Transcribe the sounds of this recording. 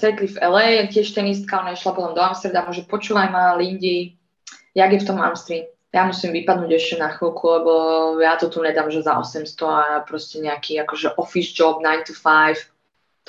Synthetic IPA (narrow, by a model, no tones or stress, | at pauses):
sɛt̪lifɛlɛjcɪɛʃt̪ɛnis̬t̪̚kaɔnaiʃlapɔt̪ɔmd̪ɔamst̪ɾɛd̪amʊɔʒɛpɔt͡ʃuːʋajmaliɲɟi | jaɡjɛft̪ɔma̰mst̪ɾim | jamusimʋipad̪nuːɟɛʃcɛnaxilˠkʰulɛbɔjat̪ɔt̪uɲɛd̪aːmʒɛzaɔ̰sɛmst̪ɔapɾɔscɛɲɛakiːakɔʒɛʔɔfizd͡ʒɔbnajnt̪ufajf | t̪